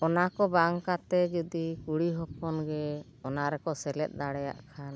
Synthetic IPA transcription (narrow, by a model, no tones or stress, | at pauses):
ɔnakɔbaŋkat̪ɛd͡ʒɔd̪ikuɽiɦɔpɔnɡɛ | ɔnaɾɛkɔsɛlɛt̪̚ˀd̪aɽɛja̰ʔkʰan